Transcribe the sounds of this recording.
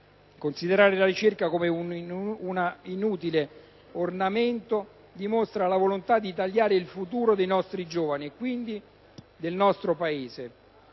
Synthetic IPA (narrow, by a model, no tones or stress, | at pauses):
konsid̪eɾaːɾelaɾit͡ʃerkakomeuunainuːt̪ile | ornament̪o | d̪imost̪ɾalavolont̪ad̪ːit̪aʎːaːɾeilfut̪uːɾod̪ejnɔst̪ɾid͡ʒoːvaniekːwind̪i | d̪elnɔst̪ɾopaeːze